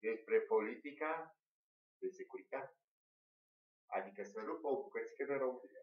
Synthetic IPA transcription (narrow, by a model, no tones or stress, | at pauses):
d̪e̞spɾe̞po̞lit̪ika | d̪e̞sekuɾit̪at̪e | a̰d̪ikəsənupokukət̪si̥ked̪eɾoud̪ile